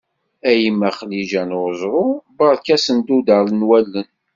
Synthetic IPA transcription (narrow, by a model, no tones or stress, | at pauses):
æjimːæχliʒænzˤɾˤʊbɑɾˤkæsənd̪ud̪əɾlənwælːən